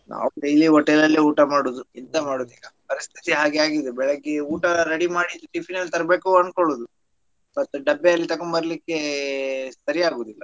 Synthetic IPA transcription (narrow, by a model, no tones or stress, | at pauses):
nʔa̰ːuɖejliɦɔʈːelɐlːiuːʈɐmaːɽuːd̪uint̪ɐmaːɽud̪iːɡɐpɐɾist̪ʰi̥t̪iɦaːɡeaːɡid̪ubɛɭeɡeuːʈɐɾeɽimaːɽid̪uʈipʰinɐlt̪ɐɾɐbe̞ːkuɐnkoɭuːd̪u | mɐt̪ːuɖɐbːeɐlːit̪ɐkoɳbɐɾɐlikːe̞ | sɐɾiaːɡoːd̪ilːɐ